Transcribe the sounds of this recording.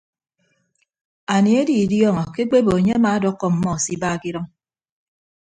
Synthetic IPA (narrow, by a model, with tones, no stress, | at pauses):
a˨ni˨e˦di˨djɔ˦ŋɔ˨ke˦k͡pe˦bo˨e˨ɲe˦a˦maː˨˦dɔ˦kːɔ˦m̩˨mɔ˦˨si˦baː˦˨ki˦ɾɔ˦ŋ